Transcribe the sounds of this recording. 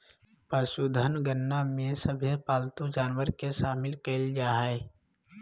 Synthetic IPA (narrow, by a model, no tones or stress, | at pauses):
pəʃud̪ʱənɡənːamẽsəbʱepaːlt̪ũd͡ʒaːnwəɾkeʃaːmɪlkeld͡ʒaːɦɛː